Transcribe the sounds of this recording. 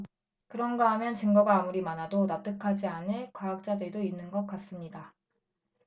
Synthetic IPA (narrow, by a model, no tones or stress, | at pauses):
kɯɾʌnɡʌɦamjʌnt͡ɕɯŋɡʌɡaːmuɾimanadonap̚t͈ɯkʰad͡ʑianɯɭkwaːk̚t͡ɕ͈adɯɭdoinːɯnɡʌk͈as͈ɯmɲida